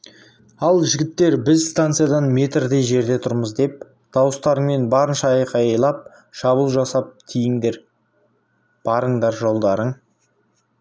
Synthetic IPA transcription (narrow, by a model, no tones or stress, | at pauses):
ɑlˠʒɪɡʲɪt̪ːe̞ɾbɪzst̪ant̪sɨjad̪ɑnme̞t̪rd̪e̞jʒe̞ɾd̪e̞t̪ʰʊɾməzd̪e̞p̚ | d̪̥ɑwəst̪ɑɾəɴme̞nbɑɾənʃɑɑjqʰɑjəjlˠɑp̚ | ʃɑβəlˠʒɑsɑp̚t̪ʰijɪŋd̪e̞ɾ | b̥ɑɾəɴd̪ɑɾʒo̞lˠd̪ɑɾəɴ